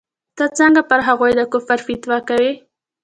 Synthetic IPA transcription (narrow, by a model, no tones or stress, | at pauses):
t̪ət͡səŋɡapəɾɦaɣojd̪əkʊfaɾfit̪wɑkawi